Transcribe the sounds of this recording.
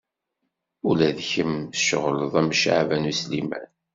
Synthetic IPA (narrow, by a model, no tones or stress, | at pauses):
ulæðçəmʃəʁləðˤæmʃa̰ʕvænuslimæ̰n